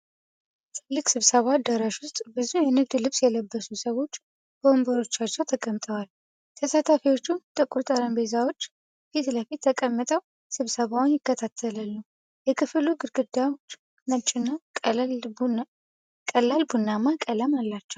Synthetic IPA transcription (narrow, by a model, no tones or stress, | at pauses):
t̪ʰɨlːɨkʼsɨβsəβad̪əɾəʃwʊst̪ʼbɨzujɛnɨɡd̪lɨβsjɛləbːəsusəwo̞t͡ʃː | b̥əmbəɾo̞t͡ʃːat͡ʃːɛwt̪ʰəkʼəmt̪ʼəwal | t̪ʰəsat̪ʰafiwo̞t͡ʃːunt̪ʼɨkʼot̪ʼəɾəmbezawo̞t͡ʃː | fit̪ləfit̪ːʰəkʼəmːɨt̪ʼəw | sɨβsəβawnjɪkːət̪ʰat̪ʰːələlːəw | jɛkʰɨfluɡɨɾɡɨd̪awt͡ʃː | nət͡ʃʼːɪnːa | kʼəlalbunːamakʼələmalːat͡ʃːɛw